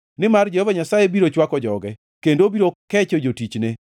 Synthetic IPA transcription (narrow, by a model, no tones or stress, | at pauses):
nɪmard͡ʒehovaɲasajebiɾot͡ʃwakɔd͡ʒɔɡɛ | kendobiɾokɛt͡ʃɔd͡ʒotit͡ʃne